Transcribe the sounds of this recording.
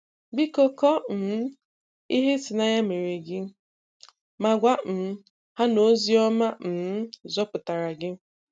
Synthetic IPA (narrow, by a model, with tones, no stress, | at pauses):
bi˦kɔ˦kɔ˦m̩˨˦ | i˦ɦe˦sɪ˨na˦ɲa˦me˨ɾe˨ɡɪ˦ | ma˨ɡʷa˦n̩˨˦ | ha˦no˦zi˦ɔ˦ma˦n̩˨˦zɔ˦pʊ˨ta˨ɾa˨ɡɪ˦